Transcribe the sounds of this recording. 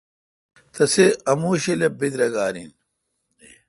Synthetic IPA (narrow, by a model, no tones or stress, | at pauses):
t̪ɐseɐmuːɕelebid̪ɾɐɡaːɾḭn